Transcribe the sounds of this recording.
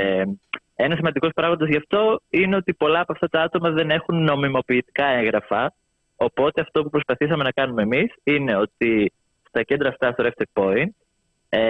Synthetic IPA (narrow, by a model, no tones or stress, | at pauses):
e | e̞nɐsimɐnd̪iko̞spɾɐɣmɐt̪ezʝɐft̪o̞ine̞o̞t̪ipo̞lɐːpoɐft̪ɐt̪ɐɐt̪o̞mɐðe̞ne̞xunːo̞mimo̞piːt̪i̥kɐe̞ŋɣɾɐfɐ | opo̞t̪e̞ɐft̪o̞pupɾo̞spɐθisɐme̞nɐkɐnumeːmisine̞o̞t̪i | st̪ɐce̞nd̪ɾɐːft̪ɐθoɾeft̪ek̚po̞int̪ | e